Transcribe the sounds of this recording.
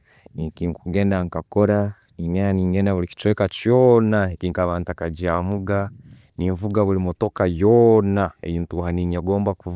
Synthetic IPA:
nikiːŋkuɡeːndaŋkakoɾa | niŋenaniːŋɡenaβuliki̥t͡ʃweːkat͡ʃoːnaekiːŋkaβaːntakaɟiamuɡa | niːɱvuɡaβulimotokajoːnaḛjiːntuhaniɲaɡoːmbaku

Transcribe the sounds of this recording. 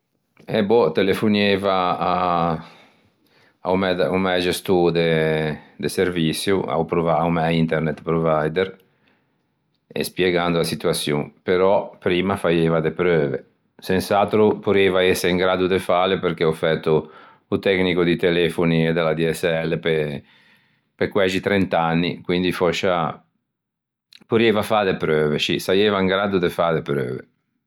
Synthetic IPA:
ebɔt̪elefunevaː | a̰wmɛd̪umɛd͡ʒest̪ud̪e | d̪eseɾvisjua̰wpɾuvawmɛint̪eɾnɛt̪pɾovajd̪eɾ | ḛspjeɡand̪uasit̪uasjṵŋpeɾɔpɾiːmafajevad̪epɾøːvḛ | sensalt̪ɾupuɾeːvaɛsːeiŋɡɾaːd̪ud̪efaːlepeɾkeɔfɛt̪ːuː | t̪ɛknikod̪it̪elɛːfonied̪elad̪iɛsːɛlːepe | pekwɛd͡ʒit̪ɾɛnt̪anːikwind̪ifɔt͡ʃːa | puɾeːvafadepɾøːvet͡ʃisajeːvaiŋɡɾaːd̪ud̪efad̪epɾø̰ːvḛ

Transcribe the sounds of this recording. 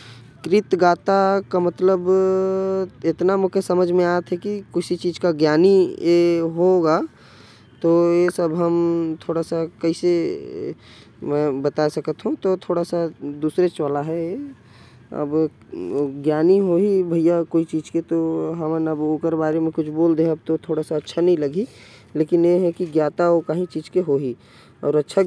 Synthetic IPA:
kɾɪt̪ɡaːt̪akamət̪ləb | ɪt̪namʊkʰesəməd͡ʒʱmẽaːət̪ɦɛkikʊsit͡ʃiːd͡ʒkaɡjaːnijeɦoɡa | t̪ojesəbɦəmt̪ʰoːɽasakəise | mɛ̃bət̪asəkət̪ɦũt̪ot̪ʰoːɽasad̪uːsɾet͡ʃʋalaɦɛ | ɐ̰b | ɡjaːniɦoɦibʱəijakoːit͡ʃiːd͡ʒket̪oɦəmənəboːkəɾbaːɾemẽkʊt͡ʃʰboːld̪eɐb̚t̪ot̪ʰoːɽasaɐtːʃʰanəɦĩləɡi | leːkɪnjeɦɛkiɡjaːt̪aokaːɦĩt͡ʃiːd͡ʒkeɦoɦi | ɔ̰ːɾətːʃʰa

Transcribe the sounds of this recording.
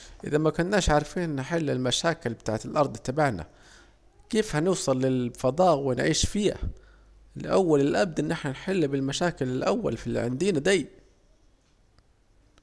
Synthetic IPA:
ʔɪ̰ðamakʊnːaːʃʕaɾˤfiːnːħɪlːɪlmaʃaːkɪlbɪt̪a̰ːʕt̪ɪlʔɑɾˤd̪ˤt̪ːabaʕna̰ | keːfhanɪwsˤɑlːɪlfɑd̪ˤɑːʔwɪnʕiːʃfiːha̰ | lʔawːalɪlʔab̚d̪ʔɪnːʔɪħnanħɪlːbɪlmaʃaːkɪlɪlʔawːa̰lfilːiʕɪ̰nd̪iːnad̪ajː

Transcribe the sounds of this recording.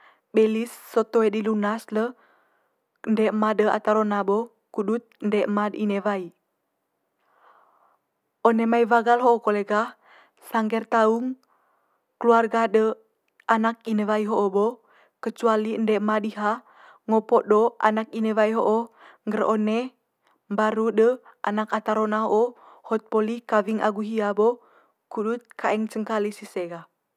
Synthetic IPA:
belisːot̪oedilunaslə | əndɛʔmadəa̰t̪aɾonabo | kudut̪̚əndɛʔmadinevai | onemaivaɡalɦoʔokoleɡa | saŋɡɛrt̪auŋ | kəluarɡadə | anak̚inəvaiɦoʔːbo | kət͡ʃualiəndɛʔmadiɦa | ŋopɔʔdoa̰nakinəvaiɦoʔoŋɡərone | mbaɾudəʔa̰nakat̪aɾonaɦoʔo | hɔt̪̚polikaviŋʔa̰ɡuɦiabo | kudut̪̚kʰaɛŋt͡ʃəŋkalisiseɡa

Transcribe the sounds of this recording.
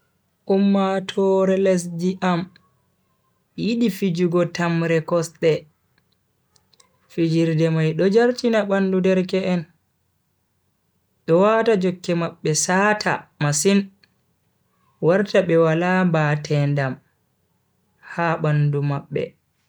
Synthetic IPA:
ʔumːatʰɔɾɛlɛs̬d͡ʒiʔam | jiɗifid͡ʒuɡɔtamɾɛkɔsɗɛ | fid͡ʒiɾdɛmajɗɔd͡ʒaɾtinaɓandudɛɾkɛɛn | ɗɔwatad͡ʒɔkːɛmaɓːɛsaːtʰa̰masin | waɾtaɓɛwalambaːtʰɛndam | haɓandumaɓːɛ̰

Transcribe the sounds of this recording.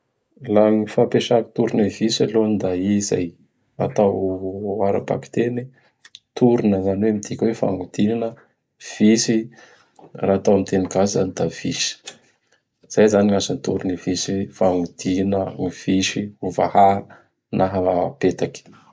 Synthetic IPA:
laŋifapeʃaki̥t̪uɾunəvisaloanid̪aiza̰j | a̰t̪awaɾa̰pa̰ki̥t̪eni | t̪uɾunəzanweamid̪ikʲwefa̰ŋud̪̥ininə | v̥isi | raat̪awamit̪enikazizanid̪av̥iʃi̥ | z̥ajzaniŋasanit̪uɾunivisifaŋud̪̥inəŋiv̥iʃiuva̰ha | naɦapet̪akʲi̥

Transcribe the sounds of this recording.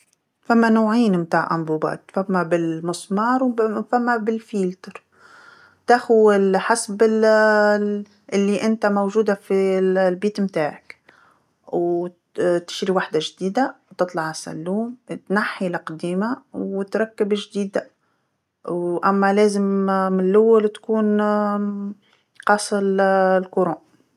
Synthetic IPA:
famːanoːʕiːnmt̪aːʕʔa̰mbuːbɑ̰ːt̪famːabɪlmɨsˤmɑːɾˤwfamːabɪlfiːlt̪ɑɾˤ | t̪axʊɪlħasabɪ | ʔɪlːiʔɪnt̪amowʒuːd̪afilbiːt̪mt̪aːʕɪk | w | t̪ɪ̥ʃɾiwaħd̪aʒd̪iːd̪at̪ɨt̪ˤlɑʕasæ̰lːuːmt̪naħːilɪqd̪iːmawt̪ɾˤɑkːɪbʒd̪iːd̪a | wʔæmːælæːzɪmmnlʔʊwːalt̪kuːn | qɑːsˤɑllkʊɾoːn

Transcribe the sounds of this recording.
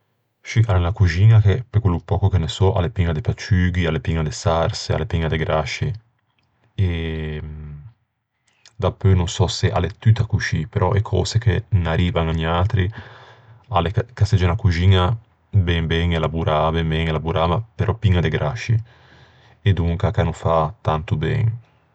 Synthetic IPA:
ʃianelakud͡ʒiːnakepekwelːupɔːkokenesɔʔa̰lepiŋːad̪epat͡ʃyɡialːepiŋːad̪esaɾsea̰lːepiŋːad̪eɡɾaʃi | e | d̪apːønonsɔseʔa̰let̪ːyt̪akuʃipeɾɔʔekʰɔ̰ːsekenaɾiːvaŋaɲaːt̪ɾi | alekakast̪ed͡ʒenakud͡ʒiːɲa | bɛŋbɛŋelabuɾʔabɛmbɛŋelabuɾaːmapeɾʔɔpiŋːad̪eɡɾʔaʃi | ed̪uŋkakanufat̪ant̪ubɛ̰ŋ

